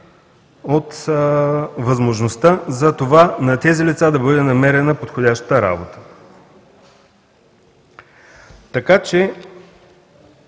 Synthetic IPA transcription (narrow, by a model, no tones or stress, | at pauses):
ot̪ | vɐzmoʒnost̪azɐt̪ovanɐt̪ɛzilʲit̪sad̪ɐbɤd̪ɛnɐmɛɾɛnəpot̪xodʲaʃt̪ə̥t̪əɾa̰bot̪ə̥ | t̪ɐkat͡ʃɛ